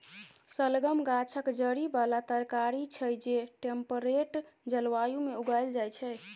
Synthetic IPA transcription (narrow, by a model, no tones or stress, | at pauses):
səlɡəmɡat͡ʃʰəkd͡ʒəɾibalat̪əɾkaɾit͡ʃʰəjd͡ʒeʈempəɾeʈd͡ʒəlʋajumeuɡajld͡ʒajt͡ʃʰɛ